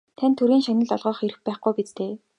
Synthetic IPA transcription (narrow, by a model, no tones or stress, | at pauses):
t̪ʰanʲt̪ʰːɵɾiːŋʃanə̆ɮɔɮʁœːχeɾɘ̆xpæːχɡujpet͡st̪eː